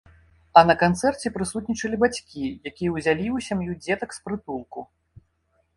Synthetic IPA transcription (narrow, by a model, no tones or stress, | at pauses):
ɐnɐkant̪sɛrt͡sʲɛpɾɨsut̪̚ʲnʲit͡ʂɐlʲibat͡sʲkʲijakʲijɐwzʲalʲiwsʲamjud͡zʲɛt̪ɐkspɾɨt̪ulˠku